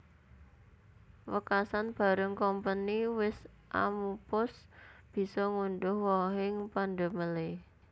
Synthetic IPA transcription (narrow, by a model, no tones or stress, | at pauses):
wəkasanb̥a̤ɾəŋkɔmpəniwɪs | ʔa̰mupʊsb̥i̤sɔŋuɳɖʊhwɔɦɪŋpanɖə̤məle